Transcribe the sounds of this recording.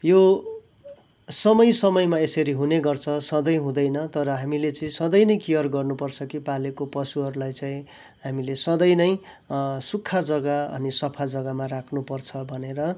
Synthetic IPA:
jo | sʌmʌjsʌmʌjmaesʌɾiɦuneɡʌrt͡sʰʌsʌd̪ʌjɦũd̪ʌjnʌt̪ʌɾʌɦamilet͡sʌĩsʌd̪ʌjnʌjkijʌrɡʌrnupʌrt͡sʰʌkipalekopʌsuɦʌɾulajt͡saĩ | ɦamilesʌd̪ʌjnʌj | sukʰːad͡zʌɡaʌ̰nisʌpʰad͡zʌɡamarakʰnupʌrt͡sʰʌbʱʌneɾʌ

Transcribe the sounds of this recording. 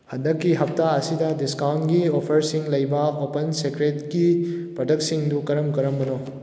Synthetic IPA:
hɐndɐkːiɦɐp̚taɐsidɐdiskawntɡiopʰɐɾsiŋlɐjbɐopɐnsekɾetkipɾodɐktsiŋdukɐɾɐmkɐɾɐmbɐno

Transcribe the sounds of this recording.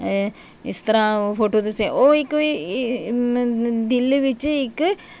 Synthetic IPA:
ist̪ɾafoːʈːot̪useoːikːɨ | d̪ilːɨʋit͡ɕːɨikːɨ

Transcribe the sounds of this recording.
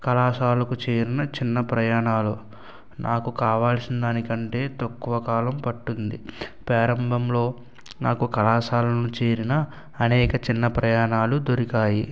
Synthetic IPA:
kɐlaːʃaːlɐkut͡ʃeːɾinɐt͡ʃinːɐpɾɐjaːɳaːlu | nʔaːkukaːʋaːlsinɐd̪aːnikɐɳʈe̞ːt̪ɐkːuʋɐkaːlɐmpɐʈːund̪ipɾɛːɾɐmbʱɐmlo̞ː | naːkukɐlaːsaːlɐnut͡ʃe̞ːɾinɐː | nɛːkɐt͡ʃinːɐpɾɐjaːɳaːlud̪oɾikaːji

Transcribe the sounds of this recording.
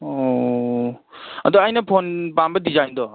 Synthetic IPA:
o | ɐd̪ɔajnɐpʰonpambɐdizajndɔ

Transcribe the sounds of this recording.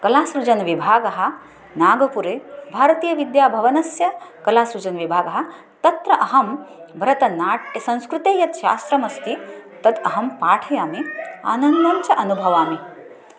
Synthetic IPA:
kɐlaːsɾud͡ʒɐnʋibʱaːɡɐɦɐ̆ | naːɡɐpuɾeːbʱaːɾɐt̪iːjɐʋid̪jaːbʱɐʋɐnɐsjɐkɐlaːsɾud͡ʒɐnʋibʱaːɡɐɦɐ̆ | t̪ɐt̪ɾɐʔɐɦɐmbʱɐɾɐt̪ɐnaːʈɐsɐ̃ñskɾut̪eːjɐt̪ʃa̰ːst̪ɾɐmɐst̪it̪ɐt̪ɐɦɐmpaːʈʰɐjaːmia̰ːnɐnd̪ɐɲt͡ʃɐʔɐnubʱɐʋaːmi

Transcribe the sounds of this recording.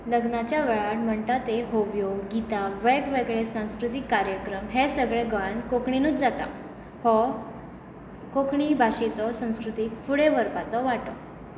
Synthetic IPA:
ləɡnat͡ɕjaʋɛɭaʈm̤əɳt̪at̪eɦoʋjɔɡit̪aʋeɡʋeɡɭesãw̃skɾut̪ikːaɾjəkɾəmɦesəɡɭeɡəɭankokɳinut͡sd͡zat̪a̰ | hɔ | kokʰɳibʱaɕet͡sɔsə̃w̃skɾut̪iːkfuɽeʋəɾpat͡sɔʋaʈɔ

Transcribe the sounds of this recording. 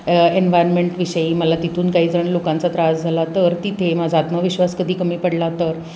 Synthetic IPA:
enʋajɾnmeɳʈʋiɕəiːməlat̪it̪ʰuːnkaɦiːd͡zəɳlokãnt͡sat̪ɾad͡zd͡zʱalat̪əɾt̪it̪ʰemad͡zʱaːt̪məʋiɕʋaskəd̪ʱiːkəmiːpəɽlat̪əɾ

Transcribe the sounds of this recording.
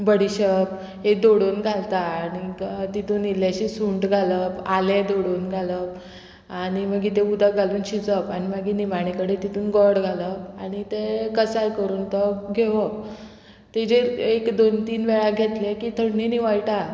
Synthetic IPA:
bəɽiɕəp | ɦed̪oɽuːnɡʱalt̪aːñit̪it̪uːniljaɕisuɳʈɡʱaləpaled̪oɽunɡʱaləp | aɽ̃iməɡiːt̪ẽud̪ʱaɡʱaluːnɕit͡səpaɽ̃iməɡiːniʋaɽ̃ikəɽet̪it̪uːnɡɔɾɽɡʱaləpaɽ̃it̪ekəsajkəɾuːnt̪ɔɡʱeʋək̚ | t̪ed͡ʑeɾekd̪ont̪iːnʋɛɭaɡʱet̪lekiːt̪ʰəɽniniʋajʈa

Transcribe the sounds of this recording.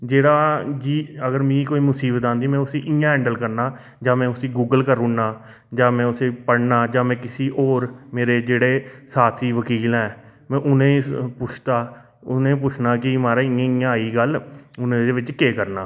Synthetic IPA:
d͡ʒeːɽaːd͡ʒiːəɡəɾmĩːkoːiːmʊsiːbət̪aːnd̪iːmɛ̃ːʊsiːʔɪ̃ãːɦɛ̃ːɳɖəlkəɾnaː | d͡ʒãːmɛ̃ːʊsiːɡuːɡəlkəɾʊɳːaː | d͡ʒãːmɛ̃ːʊseːpəɽnaːd͡ʒãːmɛ̃ːkɪsiːʔoːɾmeːɾeːd͡ʒeːɽeːsaːt̪ʰiːʋəkiːlɛ̃ː | mɛ̃ːʔʊnẽːpʊt͡ʃʰt̪aː | ʊnẽːpʊt͡ʃʰnaːkɪmaːɾaːɪãːɪjãːiːɡəlʊnẽːdeʋɪt͡ʃkeːkəɾna̰ː

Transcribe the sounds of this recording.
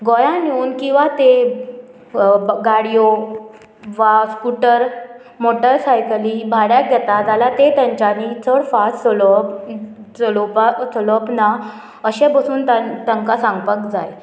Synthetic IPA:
ɡɔjanoːnkĩw̃ʋat̪e | ɡaɽijo | ʋaskuʈəɾ | moʈəɾsajklibʱaɽjaɡʱɛt̪ad͡zalat̪et̪jaɲt͡ɕanit͡sʰəɽfast͡səlɔ | t͡səlopat͡səlɔpna | əɕɛbəsuːnt̪at̪ə̃ŋkasãŋɡpəkd͡zaj

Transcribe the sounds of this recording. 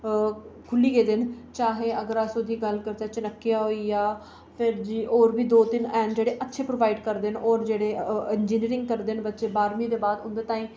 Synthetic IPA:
kʰʊliːɡeːd̪ɪnt͡ʃaːɦeːəɡəɾaːsod̪ʱiːɡəlkəɾt̪aːt͡ʃənəkːijaːɦoiːjaː | pʰɪɾd͡ʒiːʔoːɾbiːd̪oːt̪ɪnɛːnd͡ʒeːɽeːʔətːʃʰeːpɾoʋaːɪɖkəɾd̪enɔːɾd͡ʒeːɽeːɪnd͡ʒiːniːɾɪ̃ŋɡ̚kəɾd̪enbət̪ːʃeːbaːɾmĩd̪eːbaːd̪ʊ̃nd̪eːt̪aːĩː

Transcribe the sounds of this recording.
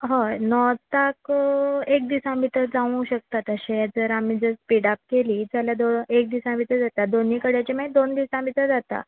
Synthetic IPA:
ɦə̃nɔt̪akek̚d̪isãmit̪əd͡zaʋũɕək̚t̪at̪əɕẽd͡zəɾam̤iːd͡zəspiɽap̚keliːd͡zalad̪oek̚d̪isãmit̪əd͡zat̪ad̪onikəɽjat͡ɕaməed̪ond̪isãmit̪ad͡zat̪a̰

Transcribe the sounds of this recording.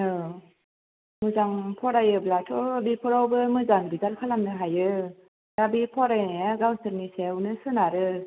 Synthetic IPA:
ɯ | mɯzaŋpʰɔɾajɯblatʰɔbipʰɔɾawbɯmɯzaŋbizalkʰalamnɯɦajɯ | ɾabipʰɔɾajnjaɡawsɯɾnisewnɯsɯnaɾɯ

